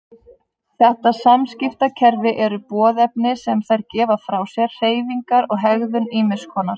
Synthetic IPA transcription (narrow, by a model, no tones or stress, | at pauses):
θɛht̪asamscɪft̪acʰɛɾvɪʔɛɾʏpɔːðɛpnɪsɛmθajɾcɛːvafɾawsjɛr̥r̥eːjviŋkaɾɔɣɦɛɣðʏniːmɪ̥skʰɔːnaɾ̥